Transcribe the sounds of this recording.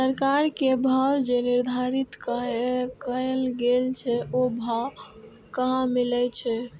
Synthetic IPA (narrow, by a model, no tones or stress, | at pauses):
səɾkaɾkebʱawd͡ʒeniɾd̪ʱaɾit̪kəɦkəelɡelt͡ʃʰɛobʱaw | kəɦãmilɛt͡ʃʰɛ